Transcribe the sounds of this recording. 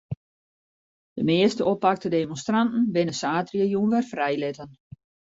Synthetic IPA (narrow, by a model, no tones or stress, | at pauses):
d̥əmɪːəstəopak̚tədemonstrantn̩ʋɪnəsaːtrjəjunʋɛrfrɛjlɪtən